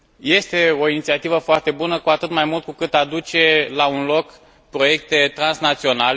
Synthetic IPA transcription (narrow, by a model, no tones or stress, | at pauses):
je̞st̪e̞o̞init̪siat̪ivəfoart̪e̞bunəkuat̪ɨt̪majmult̪̚kukɨt̪ad̪ut͡ʃe̞launlo̞k | pɾo̞je̞k̚t̪e̞t̪ɾansnat̪sio̞nale